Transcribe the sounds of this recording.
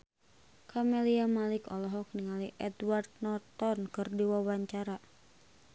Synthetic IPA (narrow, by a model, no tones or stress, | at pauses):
kʰamɛliamalikɔlɔɦɔk̚niŋaliʔɛd̪ward̪̚nɔt̪ɔnkɨrdiwawaɲt͡ʃaɾa